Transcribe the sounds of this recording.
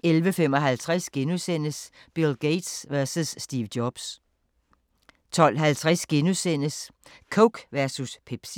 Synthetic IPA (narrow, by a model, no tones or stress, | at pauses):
elʋəfem̰ɒ̽ɦælt͡sʰʁasɡ̥e̝nusen̰əs | b̥elɡ̥eɪd̥sʋæɐsusːd̥iːʋd̥jɒb̥s | t͡sʰɒ̽l̰ɦælt͡sʰʁæsɡ̥e̝nusen̰əskʰoɡ̥ʋæɐsuspʰeb̥s